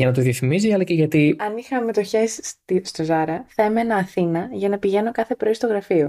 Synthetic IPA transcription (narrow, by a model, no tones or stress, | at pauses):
ʝɐnɐt̪oðiɐfimiziɐlɐceʝɐt̪iɐnixɐme̞t̪o̞çe̞st̪ist̪o̞zɐɾɐθɐe̞menɐːθinɐʝɐnɐpiʝe̞no̞kɐθe̞pɾo̞ist̪o̞ɣɾɐfio̞